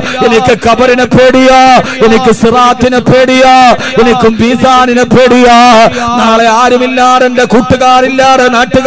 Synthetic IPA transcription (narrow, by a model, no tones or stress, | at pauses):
enikʲːɨkɐbɐɾinɐpʰeːɽijaːenikʲːɨsiraːt̪ːinɐpʰeːɽijaː | enikʲːumʋiːsaːninɐpʰeːɽijaːnaːɭeaːɾɐmilːaːɽendekuʈːuɣaːrilːaːɽenaːʈːuɣ